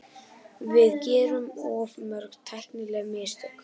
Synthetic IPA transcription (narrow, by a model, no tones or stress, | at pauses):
vɪðcɛːɾʏmɔvmœɾɣt̪ʰajl̥t̪nɪlɛɣmɪst̪œk